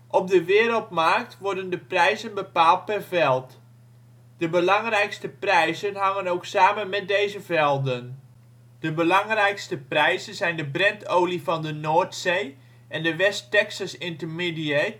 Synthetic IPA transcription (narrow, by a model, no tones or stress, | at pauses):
ʔɔp̚dəʋɪːɾəlˠtmark̚tʋɔrdəndəprɛjzənbəpaːlˠt̚pɛrvɛlˠt | d̥əbəlɑŋrɛjkstəprɛjzənɦɑŋənowksaːmənmɛt̚dejzəvɛlˠdən | d̥əbəlɑŋrɛjkstəprɛjzənzɛjndəbrɪntʰowlifɑndənoːrtsej | ʔɛndəʋɛstɛksasɪntərmidie